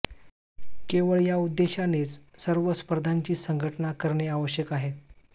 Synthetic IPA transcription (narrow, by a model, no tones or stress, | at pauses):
keʋəɭjaud̪ːeɕanet͡ssəɾʋəspəɾd̪ʱaɲt͡ɕiːsəŋɡʱəʈnakəɾɳeaʋəɕjəkaɦe